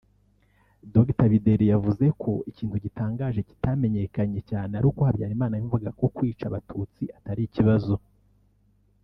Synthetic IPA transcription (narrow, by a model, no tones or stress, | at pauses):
doɡtaβide̞ɾijavuze̞kʰo̞iciːnthuɟitaːŋɡaːʒe̞ci̥tame̞ɲe̞kaɲe̞caːneaɾuːko̞habɟaːɾimaːnajiɱvuɡako̞kwiːt͡ʃaβatʰut͡siataɾijiciβazo̞